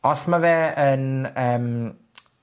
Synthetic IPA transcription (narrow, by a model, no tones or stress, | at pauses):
ɔsmavɛːənəːm